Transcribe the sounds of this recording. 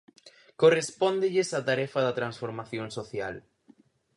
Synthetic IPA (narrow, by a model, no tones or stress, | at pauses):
korespond̪ɪʎɪsat̪aɾɛfɐðɐt̪ɾansfoɾmaθjoŋsoθja̰l